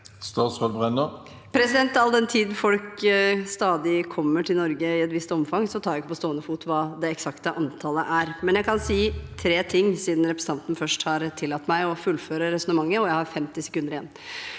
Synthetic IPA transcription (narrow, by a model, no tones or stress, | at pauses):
st̪ɑskolbʁɛnə | pʰɾɛsɪd̪ɛnt̪ɑld̪ɛnt̪ʰiːd̪n̩fɔlkst̪ɑːd̪ɪkʰɔmːəʈʰɪlɔɾɡəɪɛt̪ʋɪst̪ɔmfɑŋːsɔt̪ʰɑːɾæɪkːəpɔst̪oːənəfuːt̪ʋɑːd̪ɛɛksɑkt̪əʔɑnt̪ʰɑləʔæɾmɛnjæɪkɑnsiːt̪ʰɾeːt̪ʰɪŋːsiːd̪n̩ɾɛpɾəsɑnt̪n̩fœʂʈhɑɾt̪ʰɪlːɑt̪ːmæɪɔfʉlføːɾəɾɛsɔnəmɑŋːəɔjæɪhɑɾfɛmt̪ɪsɛ̥kʉnd̪əɾɪɛnː